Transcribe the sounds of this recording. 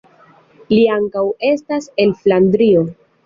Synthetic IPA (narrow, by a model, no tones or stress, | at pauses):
liaŋkawe̞stase̞lflandɾio̞